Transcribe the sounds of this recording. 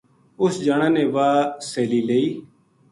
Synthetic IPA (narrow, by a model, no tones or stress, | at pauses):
ʊsd͡ʒaːɽ̃ãːnẽːʋaːseːliːleːiː